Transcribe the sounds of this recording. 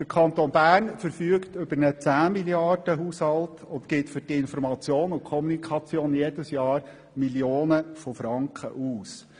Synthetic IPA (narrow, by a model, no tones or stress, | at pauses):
d̥əɾkʰɑnt̪onbæːɾnfəɾfyəktʏb̥əɾnət͡sæːmiljɑrd̥əɦuːshɑltʊntkɪtfʏɾtɪnfɔɾmɑt͡sjoːnʊkʰɔmunikʰχɑt͡sjoːnjed̥əsjɑːɾ | miljoːnəfɔfɾɑŋkχə̰ʔuːs